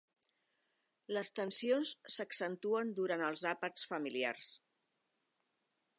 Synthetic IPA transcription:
ləst̪ənsionsːəksənt̪uənd̪uɾanəlˠzapəsfəmilia̰rs

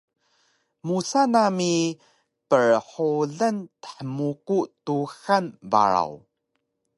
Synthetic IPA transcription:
musanami | pəɹħoɮəntə̥ħəmukutuxanba̰ɾa̰w

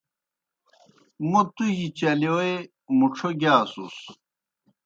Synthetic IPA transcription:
mut̪uʑit͡ɕɐloe | muʈ͡ʂʰoɡaːsṵs

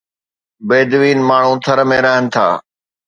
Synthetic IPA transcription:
beːd̪ʋiːnmaːɳ̤ũːt̪ʰəɾmẽːɾəɦənɪ̆t̪ʰa̰ː

